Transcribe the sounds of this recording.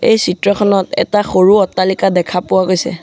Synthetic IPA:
ḛjsitɹɔxʰɔnɔtɛ̰taxoɹuɔtːalikadɛkʰapʊwaɡojsɛ̰

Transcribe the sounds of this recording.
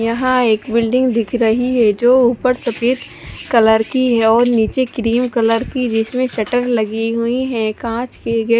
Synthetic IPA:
jɐɦãeːkbɪlɖɪ̃ŋɡd̪ɪkʰɾɐɦiɦɛd͡ʒoːuːpəɾsɐpiːt̪ | kɐləɾkiɦɛɔːɾniːt͡ʃekɾiːmkɐləɾkid͡ʒɪsmẽsɛʈəɾlɐɡiɦʊiɦɛ̃kãːt͡ʃkeɡe

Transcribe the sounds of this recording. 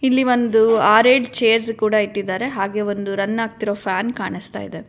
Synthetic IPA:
ilːiʋo̞nd̪uaːɾeːɖt͡ʃe̞ːɐɾskuːɽɐiʈːid̪ːaːɾe̞ɦaːɡe̞ːo̞nd̪uɾɐnːaːɡ̚t̪iɾo̞ːpʰjaːnkaːɳist̪a̰ːjd̪e

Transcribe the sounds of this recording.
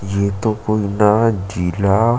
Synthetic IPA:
jet̪okoːinad͡ʒiːla

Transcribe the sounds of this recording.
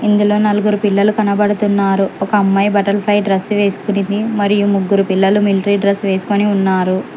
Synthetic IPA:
ind̪ulo̞ːnɐluɡuɾupilːɐlukɐnɐbɐɽut̪unːaːɾuɔkɐːmːɐjbɐʈɐlpʰlɐjɖɾɐsːʋe̞ːsu̥kunind̪imɐɾijumuɡːuɾupilːɐlumilʈɾiɖɾɐsʋe̞ːsu̥koniunːaːɾu

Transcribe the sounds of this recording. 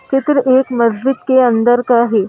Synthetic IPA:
t͡ʃɪt̪ɾəʔeːkməzd̪ɪkkeənd̪əɾkaːɦe

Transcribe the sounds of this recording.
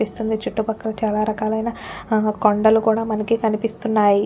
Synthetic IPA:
ist̪und̪it͡ʃuʈːupɐkːɐɾɐt͡ʃaːlaːɾɐkaːlɐjnakoɳɖɐlukuːɽaːmɐnɐkikɐnipist̪unːaːji

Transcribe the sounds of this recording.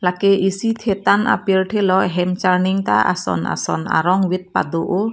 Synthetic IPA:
lakeʔisit̪ʰet̪anʔa̰pirʈʰelɔɦɛmt͡ʃarniŋt̪a̰a̰sɔ̰nʔa̰sɔ̰na̰ɾɔŋwit̪̚pa̰d̪oʔo

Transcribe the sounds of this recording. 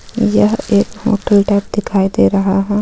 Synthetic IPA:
jɐɦeːkɦo̰ːʈəlʈaːp̚d̪ɪkʰaːid̪eɾɐɦaɦɛ̃ː

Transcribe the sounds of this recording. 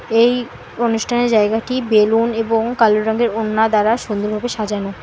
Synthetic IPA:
ej | onuʃʈʰaneɾd͡ʑaeɡaʈibeluneboŋkaloɾɾaŋɡeɾonːad̪aɾaʃond̪oɾbʱabeʃad͡ʑano

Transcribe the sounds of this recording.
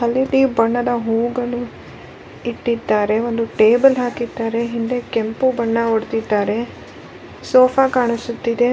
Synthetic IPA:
ɦɐlːit̪iːbɐɳːɐd̪ɐɦuːuɡɐɭu | iʈːid̪ːaːɾe̞ʋond̪uʈe̞ːbɐlɦaːkid̪ːaːɾe̞ɦind̪e̞kempubɐɳːɐoɽt̪id̪ːaːɾe̞ | soːpʰakaːɳisut̪ːid̪e̞

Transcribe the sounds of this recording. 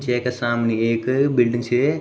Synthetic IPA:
t͡ʃeːkesaːmneeːkbilɖĩŋɡsʰe

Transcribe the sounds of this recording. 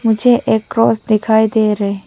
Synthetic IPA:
mʊd͡ʒʱeʔeːkːɾɔːsd̪ɪkʰaːid̪eːɾɐe

